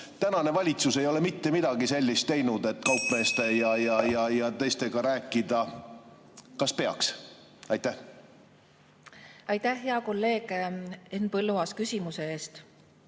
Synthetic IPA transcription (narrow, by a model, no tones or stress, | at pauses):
t̪ænɑne̞vɑlʲit̪suse̞jo̞le̞mit̪ːe̞mid̪̥ɑɡise̞lʲːist̪ːe̞jnud̪e̞t̪ːˑkɑwpme̞ːst̪e̞jɑjɑjɑjɑt̪e̞jst̪e̞ɡ̥ɑɾæːkːˑid̪̥ɑ | kɑspe̞ɑ̰ks | ɑjt̪ːæh | ɑjt̪æhɦːeɑko̞lːe̞ːɡ̥eenpɤlːuɑskysʲimuse̞eːst̪